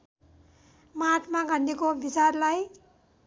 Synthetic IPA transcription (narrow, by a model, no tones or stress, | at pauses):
maʈʰmaɡʱʌndikobit͡sarlaj